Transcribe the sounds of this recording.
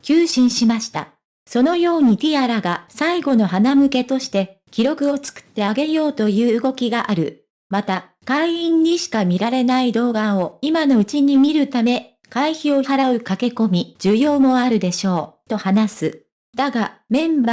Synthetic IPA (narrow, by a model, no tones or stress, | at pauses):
kʲɨːɕĩɰ̃ɕimaɕi̥t̪a̰ | so̞no̞jo̞ːɲ̟it̪ʲiaɾaɡasaiɡo̞no̞ɦanamɯ̟ke̞t̪o̞ɕi̥t̪e̞ | kʲiɾo̞kɯ̟o̞t͡sɨ̥kɯ̥t̪ːe̞aɡe̞jo̞ːt̪o̞jɯ̟ːɡo̞kʲiɡaʔaɾɯ̟ | mat̪a | kaiĩɲ̟ːiɕi̥kamʲiɾaɾe̞naid̪o̞ːɡao̞imano̞ɯ̟t͡ɕiɲ̟imʲiɾɯ̟t̪ame̞ | kaiçio̞aɾaɯ̟kake̞ko̞mʲid͡ʑɨjo̞ːmo̞aɾɯ̟d̪e̞ɕo̞ːt̪o̞hanasɨ | d̪aɡamẽ̞mba